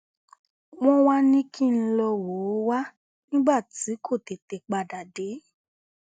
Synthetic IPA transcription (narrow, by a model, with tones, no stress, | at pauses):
w̃ɔ̃˦wa˦nĩ˦kʰĩ˦n̩˦lɔ˧wo˨˦wa˦ | nĩ˦ba˦˨ti˨˦kʰo˦˨te˨te˨k͡pa˧da˨de˨˦